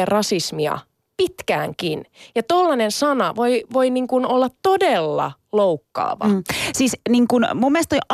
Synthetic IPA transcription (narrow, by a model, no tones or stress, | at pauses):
errɑsismiɑ̰ | pit̪kæ̰ːŋkinjɑt̪olːɑnensɑnɑʋoiʋoiniŋkunolːɑt̪t̪odelːɑ̰ | loukːɑ̰ːʋɑ̰siːsniŋkunmumːelest̪oi